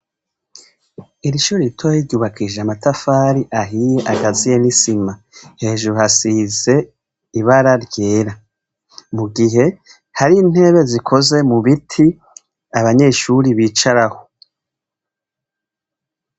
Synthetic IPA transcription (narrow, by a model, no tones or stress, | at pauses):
iɾiʃuːɾitʰojiɾɟuːβakʰiʒeamatafaːɾiʔaɦije̞ʔaɡazijenisima | he̞ːʒuɾuhasiːze̞ | iβaɾaɾje̞ːɾa | muɡiɦe̞ | haɾiːn̥he̞ːβe̞zikʰo̞ze̞muβitʰi | aβaɲe̞ʃuɾiβiːt͡ʃaɾaho̞̥